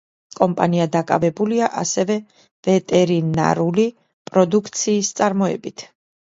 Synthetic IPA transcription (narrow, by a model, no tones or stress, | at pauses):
kʼɔmpʼaniad̪akʼa̰vɛbuliaʔa̰sɛvɛ | vɛt̪ʼɛɾina̰ɾuli | pʼɾɔd̪ukʰt̪sʰiːst̪sʼaɾmɔɛbit̪ʰ